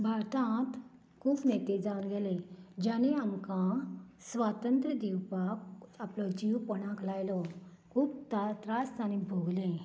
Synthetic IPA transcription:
bʱaɾt̪ãt̪ | kʰuːpnet̪ed͡zawnɡeled͡ʑaneamkãsʋat̪ənt̪ɾəd̪iwpakaplɔd͡ʑiwpəɽ̃ãklajlɔ | kʰuːb̚t̪at̪ɾast̪anĩbʱoɡlẽ

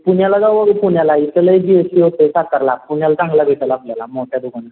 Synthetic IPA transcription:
puɳjalad͡zaʋəɡpuɳjalaitələed͡ʑiəsiɦot̪esakəɾlapuɳjalat͡sãŋɡlabʱeʈəlaːpljalamɔʈʰjad̪uɡana

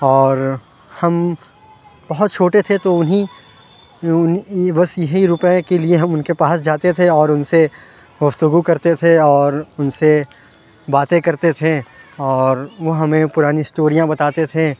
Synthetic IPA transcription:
ɔːɾ | hɐm | bɐɦʊt̪̚t͡ʃʰoːʈet̪ʰet̪oʊnɦi | ʊnbɐsjɐɦiɾʊpẽkelieɦɐmʊnkepaːsd͡ʒaːt̪et̪ʰeɔːɾʊnse | ɡʊft̪ʊɡukɐɾt̪et̪ʰeɔːɾʊnse | baːt̪ẽkɐɾt̪et̪ʰẽɔːɾʋoɦɐmẽpʊɾaːnisʈoːɾijãbɐt̪aːt̪et̪ʰẽ

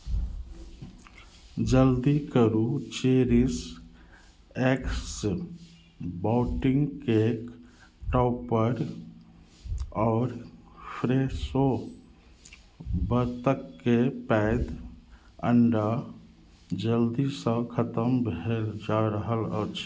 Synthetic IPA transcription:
d͡ʒəld̪ikəɾut͡ʃeɾis | eks | baʊʈiŋɡkek | ʈɔpəɾ | ɔːɾpʰɾeso | bəɾt̪əkːepɛɪd̪ | əɳɖa | d͡ʒəld̪isə̃kʰət̪əmbʱeld͡ʒaɾəɦələ̰t͡ʃʰ

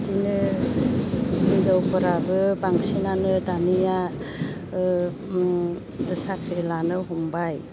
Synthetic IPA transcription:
tinɯ | mizawpɯɾabɯbaŋsinanɯdanija | dɯsakʰɾelanɯɦɔmbaj

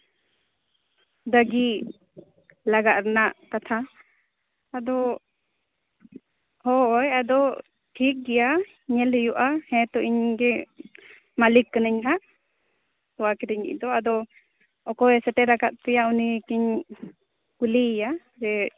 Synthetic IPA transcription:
d̪aɡi | laɡaʔ̪ɾnaʔkat̪ʰa | d̪ɔ | hɔjad̪ɔ | ʈʰik̚ɡɛja | ɲɛlɛjuʔahɛ̃t̪ɔʔiɲɡɛ | malikːənəɲɦaʔ | tɔwakɛɾɛɲḭʔ̚d̪ɔad̪ɔ | ɔkɔɛsɛʈɛɾakat̪̚pɛjaunikiɲ | kulija | d͡ʒɛ

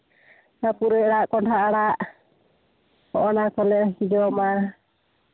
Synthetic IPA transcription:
napuɾɛɽaʔkɔndaʔaɽaʔ | hɔʔɔnakɔlɛkid͡ʒɔma

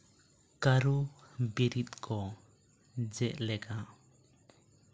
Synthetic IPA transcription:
kaɾubiɾit̪̚kʰɔ | d͡ʒɛʔlɛɡa

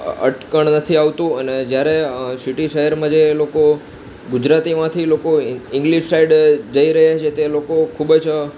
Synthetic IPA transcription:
ə̰ʈkəɳ̃nət̪ʰiaʋt̪ũəned͡ʒjaɾesiʈiʃəɦɛɾmãd͡ʒeloko | ɡud͡ʒɾat̪imãt̪ʰilokoɪ̃ŋɡliʃsaiɖd͡ʒəiɾəɦjat͡ʃʰet̪elokokʰubəd͡ʒ

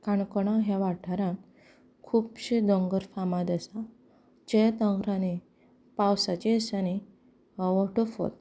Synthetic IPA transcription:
kaɳkɔɽ̃ãɦjaʋaʈʰaɾãn | kʰuːpɕed̪ɔŋɡəɾfamad̪əsa | t͡ɕet̪ə̃ŋɡɾani | pawsat͡ɕesani | ʋɔʈɔfo̰t̪̚

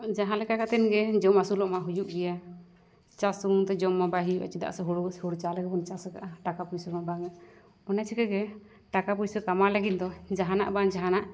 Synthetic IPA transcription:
d͡ʒaɦãlɛkakat̪ɛnɡɛd͡ʒɔmasulɔʔmaɦud͡ʒuʔɡɛja | t͡ʃasuɾuŋt̪ɛd͡ʒɔmːabaɦijuʔa̰t͡ʃid̪a̰ʔsɛɦɔɾuhɔɽut͡ʃalɛkɛbɔnt͡ʃasɛkaʔaʈakapujsɔɾmabaŋa | ɔnat͡ʃʰikɛɡɛ | ʈakapujsɔkamalɛɡin̚d̪ɔd͡ʒaɦana̰ʔbaŋd͡ʒaɦanaʔ

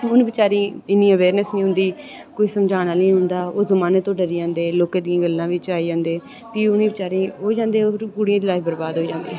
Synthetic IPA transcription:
ʊnĩːbɪt͡ʃaːɾĩːɪnːĩːəʋeːɾnəsnĩɦʊ̃nd̪iː | koːiːsəmd͡ʒaːnaːnĩːɦʊ̃nd̪aːoːzəmaːnət̪õːɖəɾiːãːnd̪eːloːkẽːd̪ijãːɡəlːãːʋɪt͡ʃaːiːd͡ʒãːnd̪eː | piːʊnĩːbɪt͡ʃaːɾĩːɦoːd͡ʒãːnd̪eːoːɾɡʊɽijãːd̪ɪlaːibəɾbaːd̪ɦoːd͡ʒãːnd̪ḛ

